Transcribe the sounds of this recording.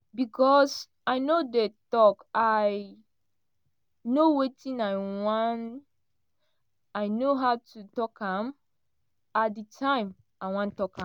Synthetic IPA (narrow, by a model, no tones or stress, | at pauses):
bikʰɔs | aɪnodetɔkaɪ | nowetʰĩnaɪwãn | aɪnoɦaʊtʰutɔkãm | atdətʰãɪ̃m | aɪwãntɔkã